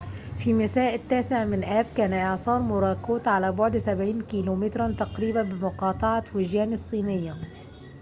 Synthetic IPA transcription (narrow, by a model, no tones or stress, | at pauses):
fimasaːʔɪt̪ːaːsɪʕmɪnʔaːb̚kaːnaʔɪʕsˤɑːɾˤmʊɾˤɑːkuːt̪ʕalabʊʕd̪sabʕiːnkiːluːmɪt̪ɾˤant̪ɑqɾiːbabɪmʊqɑːt̪ˤɑʕawɪʒjaːnɪsˤːiːnɪjːa